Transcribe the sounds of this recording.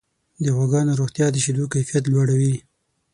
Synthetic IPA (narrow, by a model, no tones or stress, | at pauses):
d̪əxwaɡɑnoɾoxt̪jɑd̪əʃid̪ukajfijat̪̬lwaɽawi